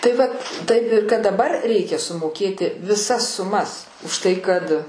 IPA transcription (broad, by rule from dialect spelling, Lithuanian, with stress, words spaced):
tɐɪ ˈʋɐt tɐɪp ɪ kɐt dɐˈbɐr ˈrʲɛɪkʲɛ sʊmoːˈkʲeːtʲɪ ʋʲɪˈsɐs sʊˈmɐs ʊʃˈtɐɪ kɐt